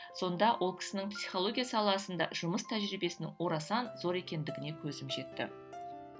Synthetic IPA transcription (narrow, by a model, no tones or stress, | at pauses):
so̞nd̪ɑwʔo̞lˠkʲʰɪ̥sɪnɪŋpsi̥χo̞lˠo̞ɡʲijasɑlˠɑsənd̪ɑ̰ʒ̥ʊməst̪ʰæʒɾijbe̞sɪnɪ̰ŋwo̞ɾɑsɑnzo̞ɾe̞kʲe̞nd̪ɪɡʲɪne̞kʲʰɵzɪmʒe̞t̪ːɪ̰